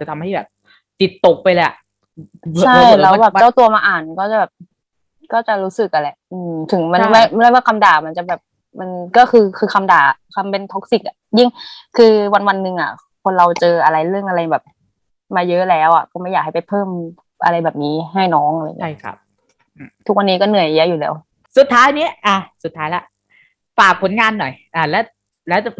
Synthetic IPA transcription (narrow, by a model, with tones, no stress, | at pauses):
t͡ɕa˨˩t̪ʰa˧mɦa˥˩jbɛ̰ː˨˩p̚ | t̪i˨˩t̪ːo˨˩k̚pa˧jlɛ˧˩ʔ | t͡ɕʰa˥˧˩jlɛː˦˥wbɛː˨˩pt͡ɕa˥˩t̪u˧ɐmaː˧ʔaː˨˩nkɔː˥˩t͡ɕa˨˩bɛː˨˩p̚ | kɔː˥˩t͡ɕa˨˩ɾuː˦˥sɯ˨˩k̚ʔa˧lɛ˧˩ʔɯː˧mt̪ʰɯ˩˦ŋma˧nnma˥˩m˥˩aː˥˩jwaː˥˩kʰa˧mdaː˨˩ma˧nt͡ɕa˨˩bɛː˨˩p̚ | ma˧nkɔː˥˩kʰɯː˧kʰɯː˧kʰa˧mdaː˨˩kʰa˧mpe˧nt̪ʰo˦˥k̚si˨˩k̚ʔa˨˩ji˥˩ŋkʰɯː˧wa˧nwa˧nːɯ˧ŋʔa̰˨˩ | kʰo˧nɾa˧wt͡ɕɤː˧ʔa˧ɾa˧jɾɯ˥˩əŋʔa˧ɾa˧jbɛː˨˩p̚ | maː˧jɤ˦˥ʔlɛː˦˥wʔa̰˨˩kɔː˥˩ma˥˩jaː˨˩k̚a˥˩pa˨˩jpʰɤː˥˩m | ʔa̰˧ɾa˧jbɛː˨˩p̚niː˧˦˥ɦa˥˩jnɔː˦˥ŋʔla̰˧˨ŋi˦a˧˩a̰˦˥p̚ː | t̪ʰu˦˥k̚wa˧niː˦˥kɔː˥˩nɯ˨˩˦jjɛ˦˥ʔjuː˨˩lɛː˦˥w | su˨˩t̪ʰːaː˦˥jniː˦˥ʔaː˧˩su˨˩t̪ʰːaː˦˥jla˦˥ʔ | faː˨˩k̚pʰːo˩˦nŋaː˧nːɔ˨˩jʔaː˧˩lɛː˦˥ | lɛː˦˥w